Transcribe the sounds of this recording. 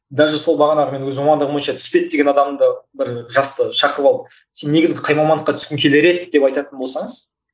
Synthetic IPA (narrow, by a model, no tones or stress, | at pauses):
d̪æɾʒeso̞lˠbɑʁɑnɑʁəme̞nwɵzwomɑnd̪əʁəmojənʃɑt̪ʰʏ̥spe̞t̪̚d̪e̞ɡʲe̞nɑd̪ɑmd̪əbɪɾʒɑst̪əʃɑqəɾəpɑlˠə | se̞nːe̞ɡʲɪzɡʲɪqʰɑjmɑmɑnd̪əqːɑt̪ʰʏ̥skʲɪŋkʲʰe̞leɾe̞t̪d̪̥e̞pɑjt̪ɑt̪ənbo̞lˠsɑɴəz